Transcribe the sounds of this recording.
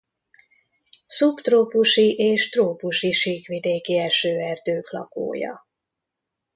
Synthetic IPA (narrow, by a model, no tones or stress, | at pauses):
supt̪roːpuʃiʔeːʃt̪roːpuʃiʃiːkʋid̪eːkiɛʃøːɛrd̪øːklɒ̰ko̰ːjɒ̰